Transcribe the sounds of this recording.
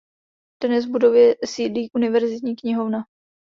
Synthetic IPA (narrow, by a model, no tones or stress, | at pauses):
d̪̥nɛzvbudo̞vjɛsiːdliːʔunɪvɛɾzɪt̪ɲiːkɲɪɦo̞vna